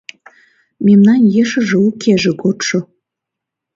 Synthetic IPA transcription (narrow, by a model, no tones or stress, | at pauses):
memnɑnjeʃə̆ʒĕukʰeʒĕkot̪ʃŏ